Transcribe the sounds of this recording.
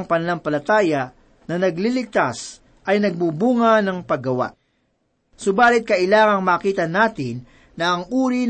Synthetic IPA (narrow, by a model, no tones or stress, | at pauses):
ŋpɐnɐlaŋpɐlɐt̪aːjɐ | nɐnɐɡlilɪɡ̚t̪as | ʔɐjnɐɡ̚buːbuːŋɐnɐŋpɐɡɡɐwa̰ʔ | sʊbaːlɪt̪̚kɐʔɪlaːŋɐŋmaːkiːt̪ɐnaːt̪ɪnː | ɐʔɐŋʔuːɾin